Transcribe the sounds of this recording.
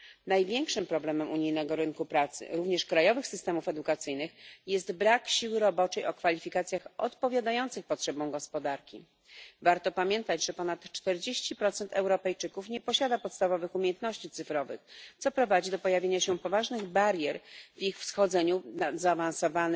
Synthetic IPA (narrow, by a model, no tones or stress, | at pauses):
najvʲjɛŋkʂɘmpɾɔblɛmɛmʔuɲijnɛɡɔɾɘnkupɾat̪sɘ̰ɾuvɲɛʂkɾajɔvɘxsɘst̪ɛmufɛd̪ukat̪sɘjnɘxjɛst̪bɾakɕiwɘɾɔbɔt͡ʂɛjɔkfalʲifʲikat̪sʲjaxɔt̪pɔvʲjad̪ajɔnt̪sɘxpɔtʂɛbɔ̃w̃ɡɔspɔd̪aɾkʲḭ | vaɾt̪ɔpamʲjɛnt̪ad͡ʑʐɛpɔnat̪t͡ʂt̪ɛɾd͡ʑeɕt͡ɕipɾɔt̪sɛnt̪ʰɛwɾɔpɛjt͡ʂɘkufɲɛpɔɕad̪apɔt̪st̪avɔvɘxumʲjɛnt̪nɔɕt͡ɕit̪sɘfɾɔvɘ̰xt̪sɔpɾɔvad͡ʑid̪ɔpɔjavʲjeɲaɕɛpɔvaʐnɘɣbaɾjɛɾvixfsxɔd̪zɛɲunazaːvansɔvan